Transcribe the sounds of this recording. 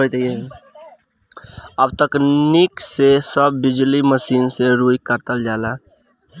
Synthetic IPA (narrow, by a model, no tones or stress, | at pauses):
ot̪e | əbt̪əkniksesəbːɪd͡ʒliməsiːnseɾujikəɾt̪əld͡ʒaːla